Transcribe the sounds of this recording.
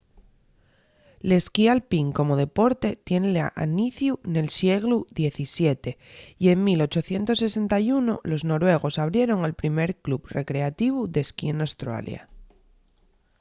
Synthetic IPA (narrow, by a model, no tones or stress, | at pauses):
le̞skialpiŋko̞mo̞ð̞e̞po̞ɾt̪e̞t̪je̞nleaʔa̰niθjune̞lsje̞ɣluðje̞θisje̞t̪e̞ie̞ŋmilo̞t͡ʃo̞θje̞nt̪osːe̞se̞nt̪ajunolo̞zno̞ɾwe̞ɣ̞o̞saβ̞ɾje̞ɾo̞ŋalpɾime̞ɾklubre̞kɾe̞at̪iβ̞uðe̞skienost̪ɾa̰lj̰a̰